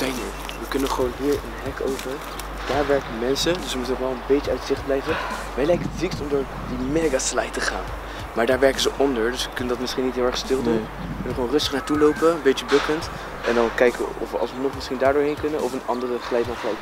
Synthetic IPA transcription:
z̥ɛjnəɹ | ʋəkɵnənχəʋownʋɪːɹə̰nɦɛko̰wpə | d̥aːɹʋɛɹkənmɛnsədɵsʋəmutənɔχʋɛlˠənbejtəœtz̥ɪχd̚blɛjvən | ʋɛjlɛjkənətzikstɔmdʊːɹ | dimɛɡasla̰jtəχa̰ːn | maːɹdaːɹʋɛɹkənzəʔɔndəɹdɵsʋəkɵnəndɑtmɪsχinːitɦɪːlˠɛχstɪlˠdun | kɵnəχʋoːwnrɵstəχnaːɹtulowpəənbet͡ʃəbøkənt | ʔɛndɑnkɛjkə̰ɔ̰fɑ̰lˠsʋənɔχmɪsχindaːɹdʊːɹɦejnkɵnənʔɔfənɑndərəχəlɛjtɑnχəlɛj

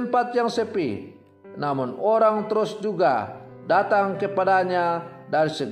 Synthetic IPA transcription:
mpat̪̚jaŋsəpḭ | namʊnoɾaŋt̪əɾʊsd͡ʒuɡa̰ | dat̪aŋkəpadaɲadaɾisəɡ

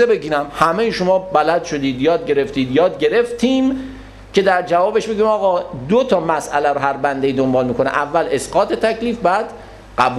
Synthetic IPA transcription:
ebeɟiːɾæmhæmejeʃo̞mɒːbælæd̪ʃo̞d̪iːd̪jɒːd̪̚ɟe̞ɾe̞ft̪iːd̪jɒːd̪ɟe̞ɾe̞ft̪ʰiːm | cʰe̞d̪æɾd͡ʒævɒːbe̞ʃbeɡiːmɒːɣɒːd̪ot̪ʰɒːmæsʔæ̰læɾoɦæɾbænd̪eiːd̪ombɒːlmiːkʰo̞nɛ̰ʔævːæle̞sɡɒːt̪ʰe̞t̪ʰæcʰliːfbæːd̪̥ | ɢ̥æbu

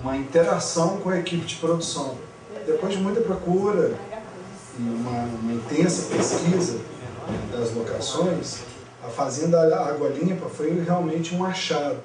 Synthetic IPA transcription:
ũmɐĩt̪eɾasɐ̃w̃kõɐekipɪd͡ʒɪpɾod̪usɐ̃w̃ | d̪epojzd͡ʒɪmũj̃t̪ɐpɾokuɾɐ | ɪũmɐũmɐĩt̪ẽsɐpeskizɐd̪ɐzloka̰sõj̃s | ɐfazẽnd̪ɐaɡwɐlĩpɐfojɦeawmẽnt͡ʃɪũaʃaɾʊ

